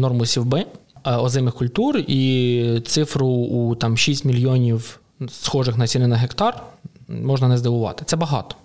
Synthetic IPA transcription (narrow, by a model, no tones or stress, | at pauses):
nɔrmʊsʲiwbɪɔzɪmɪxkʊlʲt̪urit̪sɪfɾʊːt̪ɑmʃisʲtʲmʲilʲjɔnʲiw | sxɔʒɪxnɐsʲinɪnɐɦekt̪ɑrmɔʒnɐnɛzd̪ɪʋʊʋɑ̰t̪ɪ̥t̪sɛbɐɦɑ̰t̪ɔ̥